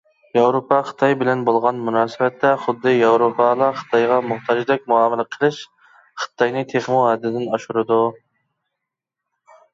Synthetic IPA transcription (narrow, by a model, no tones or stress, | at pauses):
jɑwɾopʰɑχə̥t̪ʰɑjbɪlɛnbolˠʁɑnmunɑːsɪbɛt̪ʰːɛχʊd̪ːɨjɑwɾopʰɑlˠɑχə̥t̪ʰɑjʁɑmʊht̪ʰɑd͡ʒd̪ɛk̚ʲmuɑːmɪlɪqʰəlˠɨʃ | χə̥t̪ʰːɑjnɨt̪ʰeχmuɦɛd̪ːɪd̪ɪnɑʃuɾɨd̪u